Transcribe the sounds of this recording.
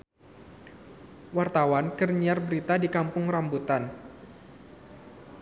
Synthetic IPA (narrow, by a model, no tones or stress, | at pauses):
wart̪awankərɲiarbəɾit̪adikampʊŋrambut̪an